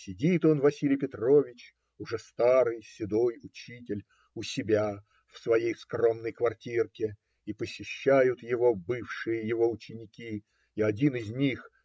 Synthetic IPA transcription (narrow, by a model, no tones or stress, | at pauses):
sʲɪdʲit̪o̞nvɐsʲilʲɪjpʲɪt̪ro̞vʲɪt͡ɕ | ʊʐɛst̪aɾɨjsʲɪd̪ojʊt͡ɕitʲɪlʲ | ʊsʲɪbʲa | fsvɐjejskro̞mnəjkvɐrtʲirkʲɪ | ipəsʲɪɕːæjʊt̪jɪvo̞bɨfʂɨjəjɪvo̞ʊt͡ɕɪnʲɪkʲi | iɐdʲinɪzʲnʲix